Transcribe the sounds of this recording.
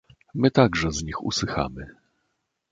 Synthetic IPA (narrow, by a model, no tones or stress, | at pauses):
mɘt̪aɡʐɛzɲixṵswɘxa̰mɘ